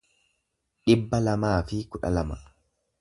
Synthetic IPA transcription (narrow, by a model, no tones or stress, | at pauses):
ᶑɪbːɐlɐmaːfɪkʊᶑɐ̰lɐmɐ